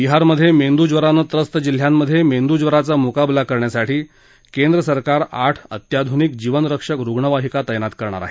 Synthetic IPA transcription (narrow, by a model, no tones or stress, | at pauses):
biɦaɾməd̪ʱːjemend̪ud͡zʋəɾanət̪ɾəst̪əd͡ʑil̤ːjamːəd̪ʱːjemend̪ud͡zʋəɾat͡samukablakəɾɳjasaʈʰiː | kend̪ɾəsəɾkaɾaʈʰə̰t̪jad̪ʱunik̚d͡ʑiʋənɾəkʂəkɾuɡɳəʋaɦikat̪əjənat̪kəɾɳ̃a̰ɾaɦe